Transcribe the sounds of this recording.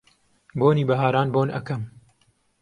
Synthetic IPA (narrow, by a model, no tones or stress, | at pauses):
boːniːbɐɦaːɾaːnboːnʔɐ̰kɐm